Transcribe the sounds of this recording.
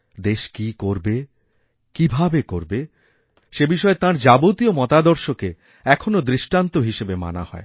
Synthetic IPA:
d̪eʃkikoɾbe | kibʱabekoɾbe | ʃebiʃɔet̪ãɾd͡ʑabot̪iomɔt̪ad̪ɔɾʃoke | ɛkʰonod̪ɾiʃʈant̪oɦiʃebema̰na̰hɔ̰e

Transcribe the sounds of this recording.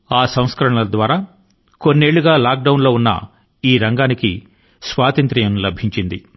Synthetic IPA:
aːsɐ̃w̃skɐɾɐɳɐd̪ʋaːɾaː | ko̞nːieːɭːuɡaːlaːk̚ɖɐwunlo̞ːunːɐ̰ | iːɾɐŋɡaːnikḭ | sʋaːt̪ɐnt̪ɾijɐmlɐbʱiɲt͡ʃind̪i

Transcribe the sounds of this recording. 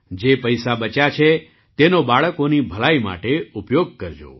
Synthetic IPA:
d͡ʒepəjsabət͡ʃat͡ʃʰe | t̪enobaɭəkonibʱəɭaima̰ʈeupjoɡ̚kəɾd͡ʒo̰

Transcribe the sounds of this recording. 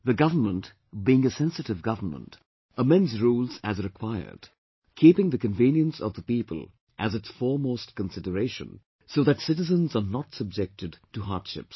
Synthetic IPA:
ðəɡʌvə˞mə̃nt | biɪ̃ŋəsɛ̃nsɨtɨvɡʌvə˞mə̰̃nt | əmɛ̃nzɹuːlˠzæzɾɨkʰw̥aɪə̰˞d̥ | kʰiːpɪ̃ŋðɨkə̃nvĩːnjə̃nsʌ̰vðəpiːpə̰lˠ | ʔæzɨtsfɔːɹmoːst̚kə̃nsɪdəɾeɪʃə̰̃n | soʊðætsɪɾɨzə̃nzənətsəb̚d͡ʒɛk̚tɨdtuɦɑɹdʃɪ̰ps

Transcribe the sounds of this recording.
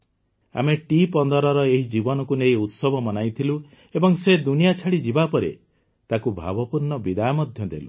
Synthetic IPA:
a̰meʈipɔnd̪ɔɾɔɾɔeɦid͡ʒibɔnɔkunejut̪sɔbʱɔmɔnajt̪ʰilu | ebɔŋsed̪unijat͡ʃʰaɽid͡ʒibapɔɾḛ | t̪akubʱa̰bɔpuɾnɔbid̪ajɔmɔd̪ʱjɔd̪ḛlu

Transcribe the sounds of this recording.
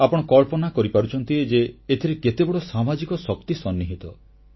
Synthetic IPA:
apɔɽ̃ɔkɔlpɔnakɔɾipaɾut͡ʃʰɔnt̪ied͡ʒeːt̪ʰiɾeket̪ebɔɽɔsamad͡ʒikɔsɔkt̪isɔnːiɦit̪ɔ

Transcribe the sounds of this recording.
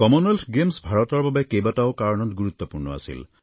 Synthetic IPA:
kɔmɔnelɡemsbʱaɹɔt̪ɔɹbabekejbataokaɹɔɽ̃ɔtɡuɾut̪ːɔpuɾɳɔa̰sḭl

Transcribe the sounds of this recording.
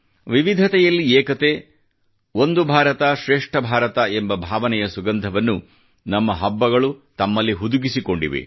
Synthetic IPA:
ʋiʋid̪ʱɐt̪ɛjɐlːiɛːkɐt̪eː | o̞nd̪ubʱaːɾɐt̪ɐʃɾeːʂʈʰɐbʱaːɾɐt̪ɐembɐbʱaːʋɐnɛjɐsuɡɐnd̪ʱɐʋɐnːu | nɐmːɐɦɐbːɐɡɐɭut̪ɐmːɐlːiɦud̪uɡisiko̞ɳɖḭʋḛ

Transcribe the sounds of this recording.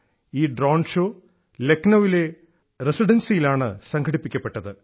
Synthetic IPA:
iːɖroːɳɖʂoː | leknɐʋile | resiɖɐnsijilaːɳɨsɐŋkʰɐɽipːikʲːɐpːe̞ʈːɐðɨ

